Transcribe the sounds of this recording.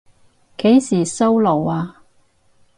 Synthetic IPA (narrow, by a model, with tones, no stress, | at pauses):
ke˨˥jsiː˨˩so˥wlo˨˩waː˧